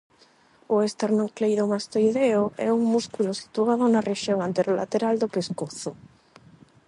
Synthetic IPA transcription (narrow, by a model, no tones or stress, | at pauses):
ʊest̪eɾnõŋklejðomast̪ojðeoʔɛ̰uŋmuskulʊsi̥t̪uaðʊnɐreʃjoŋant̪eɾola̰t̪eɾald̪opeskoθʊ